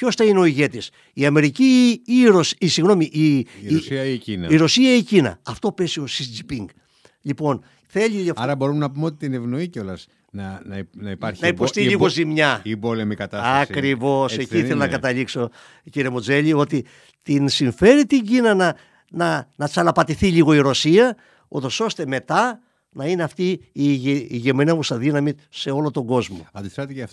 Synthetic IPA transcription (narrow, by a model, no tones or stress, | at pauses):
co̞stɐineo̞iʝe̞t̪is | iɐme̞ɾiciːɾosisiɣno̞miʔisiɐiinɐiɾo̞siɐicinɐ̰ɐft̪o̞pe̞sio̞sid͡zipiŋɡ | ʎipo̞n | θe̞ʎiliɐfɐɾɐbo̞ɾumnɐpumeot̪it̪inevno̞iceo̞lɐs | nɐnɐinɐipɐɾçnɐipo̞st̪iliɣo̞zimɲɐibolemikɐt̪ɐsɐkɾivo̞seciθelonɐkɐt̪ɐlikso̞ | ciɾiemod͡ze̞lio̞t̪i | t̪insiɱfe̞ɾit̪iɲɟinɐnɐ | nɐnɐt͡sɐlɐpɐt̪iθiʎiɣo̞iɾo̞siɐ | ut̪o̞so̞st̪e̞me̞t̪ɐ | nɐineɐft̪iː | ʝemenɐvusɐðinɐmise̞o̞lot̪o̞ŋɡo̞zmo̞ɐnd̪isɾɐt̪ecɐft